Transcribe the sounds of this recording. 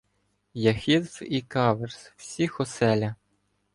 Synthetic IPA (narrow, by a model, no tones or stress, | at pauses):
jɐxʲid̪sikɑʋerswsʲixɔsɛlʲɐ